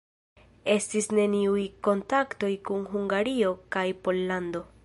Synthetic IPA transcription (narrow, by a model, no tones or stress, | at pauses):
e̞stisne̞niujko̞ntakto̞jkunɦuŋɡaɾio̞kajpo̞lːando̞